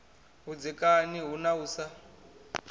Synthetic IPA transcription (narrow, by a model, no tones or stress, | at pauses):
ɦud͡zikʼaniɦunauːsa